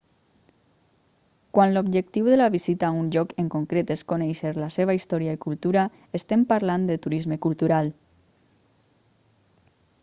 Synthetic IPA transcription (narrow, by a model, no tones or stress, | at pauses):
kwanlobʒek̚t̪iwðəlaβizit̪aunʎɔkeŋkoŋkɾet̪eskonɛjʃeɾlaseβaist̪ɔɾjaikulˠt̪uɾa | est̪empaɾland̪ət̪uɾizmekulˠt̪uɾalˠ